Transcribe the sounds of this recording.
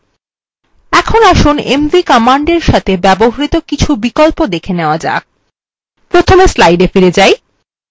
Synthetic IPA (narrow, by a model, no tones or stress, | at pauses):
ɛkʰonaʃunḛmvikɔmaɳɖeɾʃat̪ʰebɛboɦɾit̪okit͡ɕʰubikolpod̪ekʰeneoad͡ʑa̰k̚ | pɾot̪ʰomeslajɖefiɾed͡ʑaj